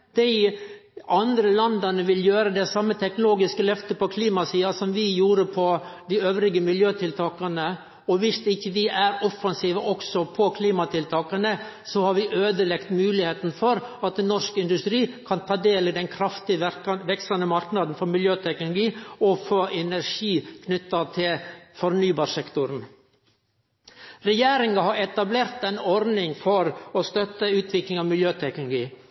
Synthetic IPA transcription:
d̪̥æɪʔɑnd̪ɾəlɑnd̪ɑnəʋɪljøːɾəd̪ɛsɑmːət̪ʰɛknʊloːɡɪskəlœft̪əpɔkʰliːmɑsiːɑsɔmʋɪjuːɾəpʰɔd̪ɪøːʋɾɪɡəmɪljøːt̪ʰɪlt̪ʰɑːkɑnə | ɔʋɪst̪ɪçːəʋɪæɾɔfɑnsiːʋəʔɔksɔpʰɔkʰliːmɑt̪ʰɪlt̪ʰɑːkɑnə | sɔhɑɾʋɪʔøːd̪əlɛkt̪mʉːlɪheːt̪nfɔɾɑt̪̚ɛnɔʂkɪnd̪ʉst̪ɾiːkʰɑnt̪ʰɑːd̪eːlid̪ɛnkʰɾɑft̪ɪʋɛksɑnəmɑɾknɑd̪n̩fɔɾmɪljøːt̪ʰɛknʊlʊɡiːɔfoːʔɛnæɾʂiːkʰnʏt̪ːɑt̪ʰɪlfɔɾnyːbɑːɾʂɛkt̪ʊɾn | ɾɛjeːɾɪŋɑhɑɾɛt̪ɑbleːɾt̪ɛnɔɾnɪŋfɔɾɔst̪œt̪ːəʉːt̪ʰʋɪklɪŋɑʋmɪljøːt̪ʰɛknʊlʊɡiː

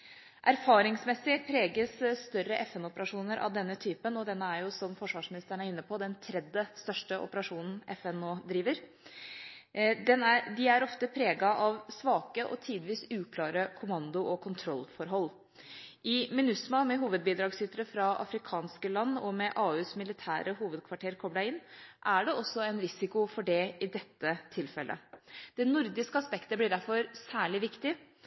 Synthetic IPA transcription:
ʔæɾfɑːɾɪŋsmɛsːɪpʰɾeːɡəssːt̪œɾːəʔɛfɛnɔpəɾɑʂuːnəɾʔɑ̰ʋd̪ɛnːət̪ʰyːpənɔd̪ɛnːəæɾjʊsɔmfɔʂʋɑːʂmɪnɪst̪əɳæɾɪnːəpʰɔd̪ɛnt̪ʰɾɛd̪əst̪œʂʈəʔɔ̰pəɾɑʂuːnn̩ɛfɛnoːd̪ɾiːʋəɾ | d̪ɛnædɪæɾɔft̪əpʰɾeːɡɑʔɑʋsʋɑːkəʔɔ̰t̪ʰiːd̪ʋiːsʉːkʰlɑːɾəkʰʊmɑnd̪ʊʔɔkʰʊnt̪ʰɾɔlːfɔɾɦɔlː | ʔɪmɪnʉsmɑmɛɦuːʋəd̪̚biːd̪ɾɑːɡsʏt̪ɾəfɾɑʔɑ̰fɾɪkʰɑːnskəlɑnːɔmɛʔɑːʉːsmɪlɪt̪ʰæ̰ːɾəɦuːʋəd̪kʰʋɑʈʰeːɾkʰɔblæɪɪnːʔæɖɛɔsːɔɛnɾɪsɪkʊfɔɖɛɪd̪ɛt̪ːət̪ʰɪlfɛlʔə̰d̪̥ɛnʊɾd̪ɪskəɑspɛkt̪əblɪɖæɾfɔɾsæːɭɪʋɪkt̪ɪ

